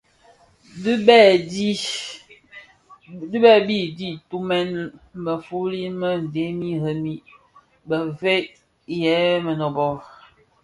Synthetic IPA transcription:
dbɛ˦˨di˦ | du˦bɛ˦bi˦˨di˦tu˦mɛ˦nbə˨fu˦li˦mə˦n̩˨de˨˦mi˦hə˦mi˦ | bə˨ve˦ʔ | jɛ˨˦mə˨nɔ˨bɔ˦ɾ

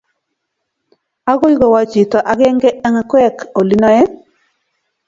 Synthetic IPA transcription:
a˦ɡo˦i˦ɡɔ˨wa˨t͡ʃi˨tɔ˨ʔa˦ɡɛ˦ŋɡɛ˦ɛ˦ŋa˨kɛ˦˨ko˨li˦nɔ˦jɛ˦

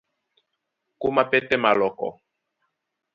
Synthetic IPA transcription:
ku˦ma˦pɛ˦tɛ˦ma˨lɔ˨kɔ̰˨

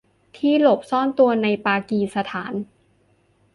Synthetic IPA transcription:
t̪ʰiː˥˩lo˨˩p̚sɔː˥˩nt̪u˧ɐna˧jpaː˧kiː˧sa˧t̪ʰaː˩˦n

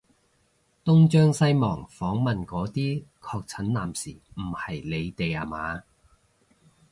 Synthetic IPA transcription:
t̪ʊ˥ŋt͡ʃœː˥ŋsɐ˥jmɔ̰ː˨˩ŋfɔː˨˥ŋmɐ˨nkɔː˨˥t̪iː˥kʰɔː˧k̚t͡sʰɐ˨˥nlaː˨msiː˨˩m̩˨˩hɐ˨˩jle˨˧jt̪e˨ja̰ː˨˩maː˨˧

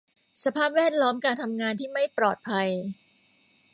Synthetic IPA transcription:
sa˧pʰaː˥˩p̚wɛː˥˩t̪̚lɔː˦˥mkaː˧nt̪ʰa˧mŋaː˧nt̪ʰiː˥˩ma˥˩jpɾɔː˨˩t̪̚pʰa˧j

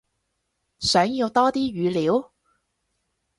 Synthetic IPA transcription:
sœː˨˥ŋji˧wt̪ɔː˥t̪iː˥ɥyː˨˧liː˨˥w

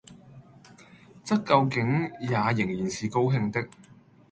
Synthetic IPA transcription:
t͡sɐ˥k̚kːɐ˧wkɪ˨˥ŋjaː˨˧jɪ˨˩ŋjiː˨˩nsiː˨ko˥wɦɪ˧ŋt̪ɪ˥k̚

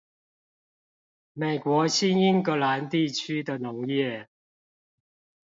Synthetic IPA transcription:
me˨˩ɪkwɔ˨˥ɕi˥ni˥nkɤ˨˧˥la˨˥nt̪i˥˧t͡ɕʰy˥d̪ə˨nʊ˨˧˥ŋjɛ˥˩

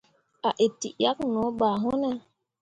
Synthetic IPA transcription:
a˨ʔe˨tḭ˨ja˦knɔ̃˨˦ɓaː˨ɦo˦nɛ˦

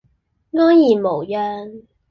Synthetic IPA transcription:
ŋɔː˥ŋjiː˨˩mo˨˩wjœː˧n

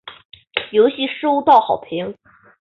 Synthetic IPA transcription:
jo˧˥ʊɕi˧˥ʂo˥˧˥t̪ɑ˥˩ʊxɑ˨˩ʊpʰi˧˥ŋ

